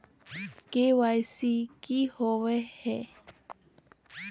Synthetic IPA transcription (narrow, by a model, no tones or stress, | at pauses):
kewajsikihowehe